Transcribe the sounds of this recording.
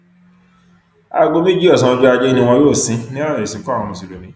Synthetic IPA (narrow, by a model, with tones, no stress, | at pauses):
a̰˧ɡo˧mẽ˦d͡ʒi˦ɔ˦˨sã˨˧bi˦a˧d͡ʒɛ˦i˦nĩ˧w̃ɔ̃˧˦jo˦˨sĩ˨˧˦nĩ˦ɔ˦ɾa˦˨e˨sĩ˨˦kɔ̃˨ũ˨si˨lo˨nĩ˨˦